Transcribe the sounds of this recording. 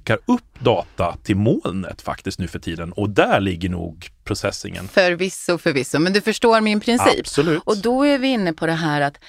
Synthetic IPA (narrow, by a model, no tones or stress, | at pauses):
kːaɾɵpːd̪ɑːt̪at̪ʰɪlmoːlnə̰t̪fa̰kt̪ɪsk̪nʉ̟ːfœʈʰiːd̪ənɔd̪æɭɪɡːəɳṵːɡpʰɾʊsɛsːɪ̰ŋə̰nfœɾvɪsːʊfœɾvɪsːʊmɛnd̪ɵfœʂʈoːɾmɪnpʰɾɪnssḭːpsɔlʉːʔɔd̪ɔæɾvɪɪnːəpʰɔd̪ɛɦæːɾat̪